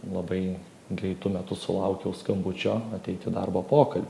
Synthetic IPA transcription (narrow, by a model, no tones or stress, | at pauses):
lˠɐbɐɪ | ɡɾʲɛɪt̪ʊmʲɛt̪ʊsʊlˠɐʊkʲɛʊskɐmbʊt͡ʃʲoːɐt̪ʲɛɪt̪ʲɪd̪ɐ̰rboːpoːkɐlʲbʲ